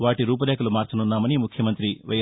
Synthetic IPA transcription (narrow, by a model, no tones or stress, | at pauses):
ʋaːʈiɾuːp̬ɐlɛːkɐlumaːɾt͡ʃɐnunːaːmɐnimukʰjɐmɐnt̪ɾiʋɐ̰j